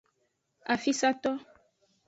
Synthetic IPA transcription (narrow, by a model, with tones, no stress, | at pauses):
a˨fi˦sa˦t̪ɔ˦